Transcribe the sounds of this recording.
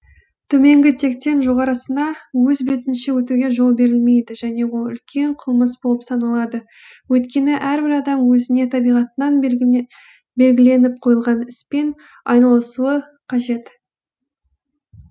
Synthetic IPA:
t̪ʰɵme̞ŋɡʲɪt̪ʰe̞k̚t̪e̞nʒo̞ʁɑɾəsənɑwɵzbet̪ɪnʃewɵt̪uɡʲe̞ʒo̞lˠbe̞ɾɪlme̞jd̪ɪʒæne̞wolˠʏ̰lkʲʰe̞ɴqʰəlˠməsbolˠəpsɑnɑlˠɑd̪ə | wɵt̪kʲe̞nɪʔæɾbɪɾɑd̪ɑmwɵzɪne̞t̪ʰɑbijʁɑt̪ənɑn | be̞lɡʲɪle̞nɪp̚qʰo̞jəlˠʁɑnɪspe̞n | ɑjnɑlˠəsuə | qʰɑʒe̞t̪

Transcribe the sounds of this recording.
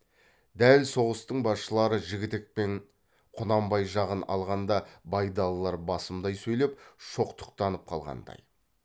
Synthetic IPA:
d̪ælso̞ʁəst̪əɴbɑsʃəlˠɑɾəʒɪɡʲɪt̪ɪk̚pe̞ɴ | qʰʊnɑmbɑjʒɑʁənɑ̰lˠʁɑnd̪ɑbɑjd̪ɑlˠlːˠɑɾbɑsəmd̪ɑjsɵjlepʃo̞qt̪ʰə̥qt̪ɑnəp̚qʰɑlˠʁɑ̰nd̪ɑ̰j

